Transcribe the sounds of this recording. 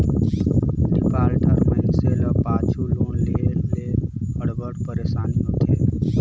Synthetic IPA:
nɪpaːlɖʱəɾməɪnseləpãːt͡ʃʰuloːnleːleəɽbəɽpəɾeːʃaːnijõt̪ʰeː

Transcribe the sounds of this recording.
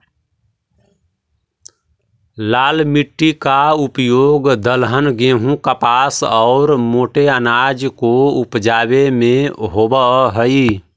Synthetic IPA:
laːlmiʈːikaupjoːɡd̪əlɦənɡẽːɦũkəpaːsɔːɾmoːʈeənaːd͡ʒkoupd͡ʒaːbemẽɦoːbəɦəi

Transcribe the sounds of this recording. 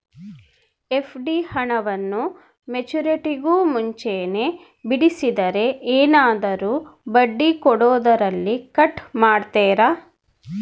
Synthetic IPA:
epʰɖihɐɳɐʋɐnːu | met͡ʃuɾeʈiɡuːmuɲt͡ʃeːne̞ː | biɽisid̪ɐɾe̞ʔeːnaːd̪ɐɾuːbɐɖːikɔɽɔːd̪ɐɾɐlːikɐʈmaːɽt̪eːɾaː

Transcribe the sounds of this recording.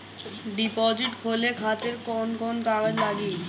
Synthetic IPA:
ɖipɔd͡ʑiʈkʰolekʰat̪eɾkɔnkɔnkaɡad͡ʑlaɡi

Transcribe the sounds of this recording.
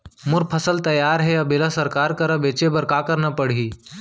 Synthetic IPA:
mʊɾpʰəsəlt̪ɐjaːɾɦɛɐbɪləsəɾkaːɾkəɾəbeːt͡ʃebɐɾkaːkəɾnɐpəɽ̤iː

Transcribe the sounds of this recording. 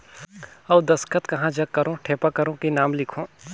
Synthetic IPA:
ɐʋd̪ɐskət̪kɐɦãd͡ʒɐɡkːɐɾõʈʰeːpakɐɾõkenaːmlɪkʰõː

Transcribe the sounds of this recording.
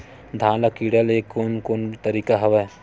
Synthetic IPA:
d̪ʱãːlakiːɽəleːkːonkoːnt̪əɾiːkaɦɐʋɛ

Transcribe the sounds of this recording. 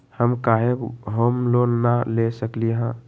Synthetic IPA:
həmkaɦekɦomlonalesəkliɦã

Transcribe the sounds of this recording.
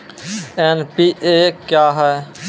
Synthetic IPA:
eːnpiːʔeːkjaːɦɛː

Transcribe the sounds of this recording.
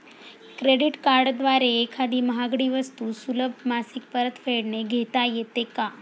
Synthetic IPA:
kɾeɖiʈkaɾɖd̪ʋaɾeːkʰad̪iːməɦaɡɽiːʋəst̪usuləb̚ʱmasik̚pəɾət̪feɽneɡʱet̪ajet̪eka

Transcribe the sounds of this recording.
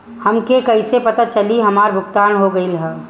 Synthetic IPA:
hɐmkekɐɪsepɐt̪at͡ʃɐliɦɐmaːɾbʱʊk̚t̪aːnɦoɡɐilɦɛ

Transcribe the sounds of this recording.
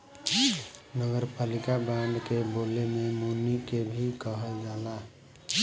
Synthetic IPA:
nəɡəɾpalikabɛɳɖkebolememunikebʱikəɦəld͡ʒala

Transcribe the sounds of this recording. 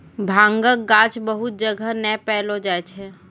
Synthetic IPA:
bʱãːŋɡək̚ɡat͡ʃbəɦut̪̚d͡ʒəɡʱənɛpɛɦlod͡ʒaɛt͡ʃʰɛ

